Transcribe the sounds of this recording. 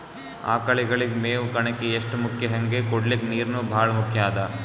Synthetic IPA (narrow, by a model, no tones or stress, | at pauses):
a̰ːkɐɭiɡɐɭiɡemeːʋukɐɳɐkːeeʂʈmukʰjɐɦɐŋɡekɔɽlikniːɾnuːbʱaːɭɐmukʰjaːd̪ɐ